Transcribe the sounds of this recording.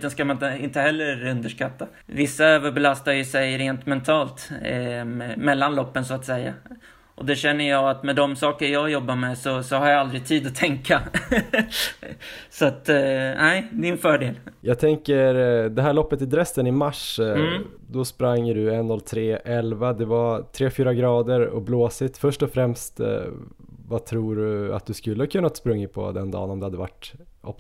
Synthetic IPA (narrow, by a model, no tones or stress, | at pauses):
t̪ənskamanəɪnt̪əɦɛlːəɾɵnd̪əʂkat̪ːa | vɪsːaøːvəɾbɛlast̪ajɵsɛjɾeːnt̪mɛnt̪ʰɑːlt̪ | mɛlːanlɔpːənsʊat̪sɛjːa̰ | ʔɔ̰d̪ɛɕɛnːəjɑːat̪mɛd̪ɔmsɑːkəɾjɑːɡjɔbːaɾmɛsɔsɔhaɾjaald̪ɾɪt̪ʰiːd̪ɔt̪ʰɛŋka | sɔat̪nʔæɪd̪ɪnfœːɖeːljɑːɡ̚t̪ʰɛŋkəɾd̪ɛɦæːɭɔpːət̪ɪd̪ɾɛsːənɪmaʂ | d̪ɔspɾaŋːɖɵɛnːɔlːt̪ʰɾeːʔɛlvad̪ɛvat̪ʰɾeːfyːɾaɡɾɑːd̪əɾɔ̰bloːsɪt̪fœʂʈɔfɾɛmst̪ | vat̪ʰɾuːɖɵa̰t̪̚d̪ɵskɵlːəhakʰɵnːat̪spɾɵŋːəpʰɔ̰d̪ɛnd̪ɑ̰ːnɔmd̪ɛhad̪əva̰ʈːʔɔ̰p